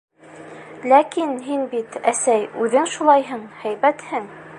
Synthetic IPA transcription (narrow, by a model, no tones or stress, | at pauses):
lækinɦinbit̪æsæjʉðɘŋʃulˠɑjɦɤɴhæjbæt̪hɘŋ